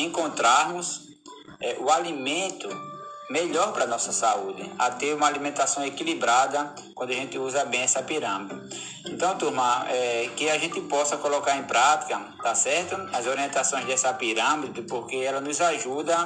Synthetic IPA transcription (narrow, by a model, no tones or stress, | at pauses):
ẽkõnt̪ɾaɾmʊs | ɛʔʊalimẽnt̪ʊmeʎɔɾpɾɐnɔsɐsaud̪ɪ̰at̪eɾũmɐalimẽnt̪asɐ̃w̃ekilibɾad̪ɐ | kwɐ̃nd̪ʊaʒẽnt̪ɪuzɐbẽj̃ɛsɐpiɾɐ̃mid̪ɪ | ẽnt̪ɐ̃w̃t̪uhmɐ̃ɛkɪaʒẽnt̪ɪpɔsɐkolɔkaɾẽpɾat̪i̥kɐ | t̪asɛɾt̪ʊazoɾiẽnt̪asõj̃zd̪ɛsɐpiɾɐ̃mid̪ɪpoɾkeɛlɐnʊzaʒud̪ɐ